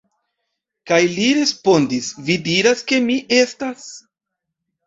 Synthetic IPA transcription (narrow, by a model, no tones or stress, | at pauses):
kajliɾe̞spo̞ndisvidiɾaske̞miʔestas